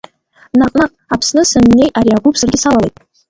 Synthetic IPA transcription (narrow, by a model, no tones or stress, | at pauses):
naqʼnaqʼ | apʰsnɨsɨnːe̞jʔaɾiaɡupʰsɨrɡʲɪsalalejtʼ